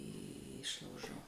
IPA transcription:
ˈɪʃlˠɐʊʒoː

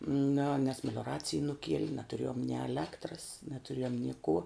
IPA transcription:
nʲʊ nʲɛs mʲɛlʲoːˈrɑːt͡sʲɪj nʊˈkʲiɛlʲɪ nɐtʊˈrʲeːjoːm nʲɪ ɛˈlʲæːktrɐs nɐtʊˈrʲeːjoːm nʲɪ kuː

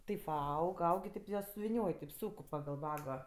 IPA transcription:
ˈtɐɪp ʋɐ ˈɐʊk ˈɐʊk ɪ ˈtʲeːp jiɛ sʊʋʲɪˈnʲoːj tʲɛɪp ˈsuːk pɐɡɐlˠ ˈʋɑːɡoː

